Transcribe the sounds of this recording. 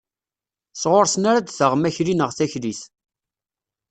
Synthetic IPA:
sʁoɾsnaɾad̪θəʁmæçɾinəʁθæçliθ

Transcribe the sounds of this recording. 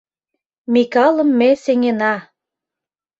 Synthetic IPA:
mikɑlə̆mːeseŋenɑ

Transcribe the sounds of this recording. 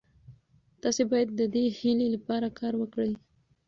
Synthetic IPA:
t̪ɑsebɑjad̪ːəd̪ehilelapɑɾakʰɑɾwəkɽəj

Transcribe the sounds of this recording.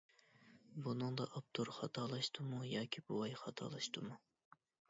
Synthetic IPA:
bunɨŋd̪ɑʔɑp̚t̪ʰuɾχɑt̪ʰɑlˠɑʃt̪ɨmujɑːkʲʰibuwɑjχɑt̪ʰɑ̰ːlˠɑʃt̪ɨmu

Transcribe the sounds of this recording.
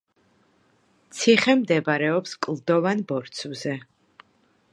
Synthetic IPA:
t̪sʰiχɛmd̪ɛbaɾɛɔpskʼlˠd̪ɔvanbɔɾt̪sʰvzɛ

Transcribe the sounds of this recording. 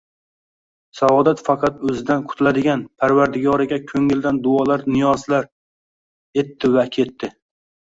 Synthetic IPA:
saɒd̪at̪fɑqʰɑt̪ɵzɪd̪anqʰʊ̥t̪ʰʊlad̪ɪɡʲanpʰaɾvaɾd̪ɪɡɒɾɪɡʲakʲʰɵŋɪld̪and̪ʊɒlaɾnɪjɒzlaɾ | e̞t̪ːɪvakʲʰe̞t̪ːɪ

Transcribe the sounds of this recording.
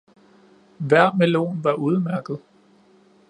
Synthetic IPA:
ʋæɐ̰melo̝̰ːnʋɑ̈uð̞ˠəmæɐɡ̥ð̞̩ˠ

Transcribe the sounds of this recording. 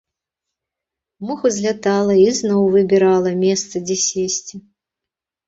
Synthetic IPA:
muxuzʲlʲat̪alˠɐiznɔwvɨbʲɛɾalˠɐmʲɛst̪sɐd͡zʲɛsʲesʲt͡sʲi

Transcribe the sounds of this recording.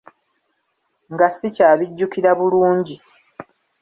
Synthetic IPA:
ŋɡasːicaːβiɟːukiɾaβuluːɲɟi

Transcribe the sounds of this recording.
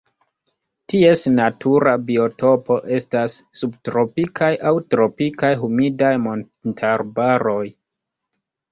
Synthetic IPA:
tie̞snatʰuɾabio̞to̞po̞ʔe̞stasːubtɾo̞pikʰajʔawtɾo̞pikajɦumidajmo̞n | tʰaɾbaɾo̞j

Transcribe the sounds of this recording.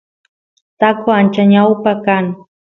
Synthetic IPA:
t̪akʊant͡ʃaɲawpakaŋ

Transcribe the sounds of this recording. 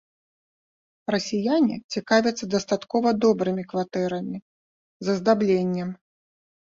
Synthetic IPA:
rɐsʲijanʲḭt͡sʲikavʲɐt̪sːɐd̪ɐst̪at̪kɔvɐd̪ɔbɾɨmʲikvat̪ɛɾɐmʲi | zɐzd̪ablʲenʲːɛm

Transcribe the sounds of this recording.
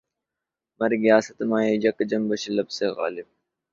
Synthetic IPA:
mɐɾɡijaːsɐt̪maːiːd͡ʑɐkd͡ʒɐmbɐɕlɐbseːɣa̰ːlɪb̚

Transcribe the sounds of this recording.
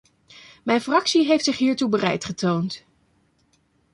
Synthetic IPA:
mɛjnfrɑksiɦejftsɪχɦiːɹtubərɛ̰jtχətownt

